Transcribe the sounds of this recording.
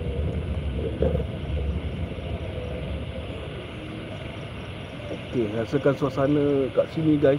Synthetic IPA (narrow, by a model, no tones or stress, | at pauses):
okeasəkansuasanə̃kaʔsinĩɡa